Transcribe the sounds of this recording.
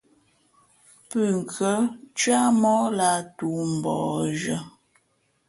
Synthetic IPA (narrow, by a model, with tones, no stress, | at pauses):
pʉ˨ŋ̩˨kʰə˨˦t͡ʃɥa˦mɔ˦la˨tu˨m̩˨bɔ̰ː˨ʒə˨˦